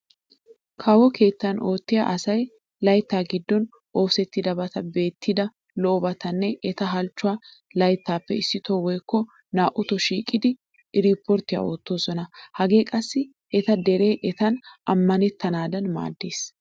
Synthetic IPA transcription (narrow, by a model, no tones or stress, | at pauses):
kʰɐwɔkʰe̞ːt̪ːɐnʔo̞ːt̪ːɪja̰ʔɐsɐj | lɐjt̪ːaːɡɪd̪ːɔn | ʔo̞ːfsɛt̪ːɪd̪ɐbɐt̪ɐbe̞ːt̪ːɪd̪ɐ | lɔʔɔbɐt̪ɐnːɛʔɛt̪ɐɦɐlt͡ʃːʊwa | lɐjt̪ːaːpːɛ̰ɪsːɪt̪ɔwɔjkːɔ | naːʔʊt̪ɔʃiːkʼɪd̪ɪ | ɾiːpːɔɾt̪ːɪja̰oːt̪ːoːsɔnɐhɐɡe̞ːkʼɐsːɪ | ʔɛt̪ɐd̪ɛɾe̞ːʔɛt̪ɐnɐmːɐnɛt̪ːɐnaːd̪ɐnma̰ːd̪ːeːs